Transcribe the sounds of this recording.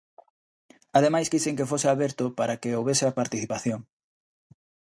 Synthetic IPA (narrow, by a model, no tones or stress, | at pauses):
að̞emajskiseŋkefosɪaβeɾt̪ʊpaɾakeowβesɪapaɾt̪iθipaθjoŋ